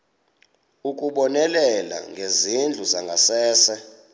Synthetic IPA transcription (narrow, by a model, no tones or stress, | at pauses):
ukʼuɓɔnɛlɛla̰ŋɡʱezind͡ɮʱuzaŋɡʱasɛːsɛ